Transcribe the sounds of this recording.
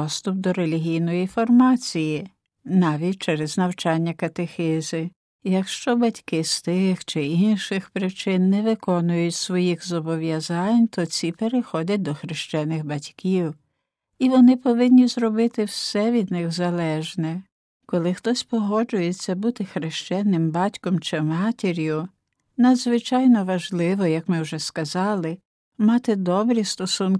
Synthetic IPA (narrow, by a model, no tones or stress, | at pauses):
ɔst̪ʊpd̪ɔɾe̞lʲiɦʲijnɔjifɔrmɑt͡sʲiji | nɑʋʲit̚ʲt͡ʃɛɾɛznɐwt͡ʃɑnʲːɐkɐt̪exɛzɪ | jɐkʃt͡ʃɔbɐtʲkɪst̪ɪxt͡ʃɪinʃɪxpɾɪt͡ʃɪnːɛʋɪkɔnʊjʊtʲsʋɔjixzɔbɔʋjɐzɑnʲt̪ʰɔt͡sʲipeɾexɔdʲɐt̚ʲd̪ɔxɾɪʃt͡ʃɛnɪxbɐtʲkiw | iʋɔnɪpɔʋɪnʲːizrɔbɪt̪ɪwsɛʋʲid̪nɪɣzɐlˠɛʒnɛ | kɔlˠɪxt̪ɔsʲpɔɦɔd͡ʒʊjet͡sʲːɐbut̪ɪxɾɪʃt͡ʃɛnɪmbɑtʲkɔmt͡ʃɪmɑtʲeɾʲjʊ | nɐd̪zʋɪt͡ʃɑjnɔʋɐʒlˠɪʋɔjɐkmɪwʒɛskɐzɑlˠɪ | mɑt̪ɪd̪ɔbɾʲist̪ɔsunkɪ